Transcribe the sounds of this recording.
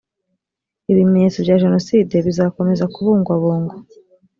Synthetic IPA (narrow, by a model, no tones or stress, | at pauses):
iβimeɲe̞ːt͡sovɟaːʒe̞no̞siːde̞βizaːko̞me̞zakuβuːŋɡwaβuːŋɡo